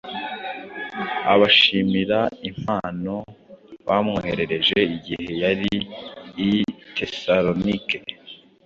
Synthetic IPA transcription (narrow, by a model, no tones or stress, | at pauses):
a̰βaʃimiɾaim̥aːno̞βamŋohe̞ɾe̞ɾe̞ʒe̞iɡihe̞jaɾiː | tʰe̞saɾonike